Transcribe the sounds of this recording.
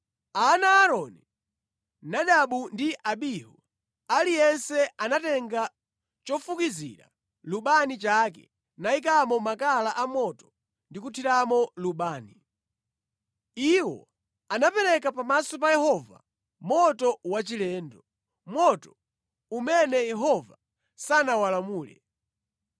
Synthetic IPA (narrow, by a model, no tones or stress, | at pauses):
anaːɾɔni | naɗaɓundiʔaɓihu | alijɛnsɛanatɛŋɡa | t͡ʃɔfukizḭɾa̰ | luɓanit͡ʃakɛ̰ | naik̬amɔmakalaʔamɔtɔ̥ | ndikutʰiɾamɔluɓaːni | iwɔ̰ | anapɛɾɛkapamasɔpajɛhɔva̰ | mɔtɔwat͡ʃilɛːndɔ | mwɔtɔ | umɛnɛjɛɦɔva | sanawalamuːlɛ̰